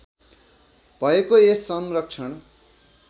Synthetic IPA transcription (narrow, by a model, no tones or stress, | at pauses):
bʱʌekoesːʌmrʌkt͡ʃʰʌɳ